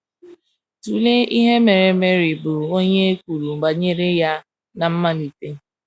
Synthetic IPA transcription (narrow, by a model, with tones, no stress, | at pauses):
tu˨le˦i˦ɦe˦me˨ɾe˨me˦ɾi˨bʊ˨o˦ɲe˦e˦kʷu˨ɾu˨ŋ͡m̩˨ɡ͡ba˨ɲe˦ɾe˦ja˦ | na˨m̩˦ma˦li˨te˦